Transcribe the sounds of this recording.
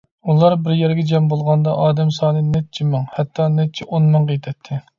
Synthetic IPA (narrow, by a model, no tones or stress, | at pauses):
ulˠɑɾbɪɾjɛɾɡʲɛd͡ʒɛmbolˠʁɑnd̪ɑʔɑːd̪ɛmsɑːnɨnɛt̪̚t͡ʃʰimæŋhɛt̪ʰːɑnɛt̪̚t͡ʃʰɛʔonmɨŋqəjt̪ʰɛt̪ʰːɪ